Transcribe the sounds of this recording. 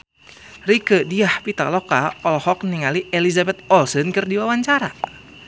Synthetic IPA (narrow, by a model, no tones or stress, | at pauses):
rikədiahpit̪a̰lɔkaɔlhɔk̚niŋaliʔelizabɛt̪̚ɔlsɔnkɨrdiwawaɲt͡ʃaɾa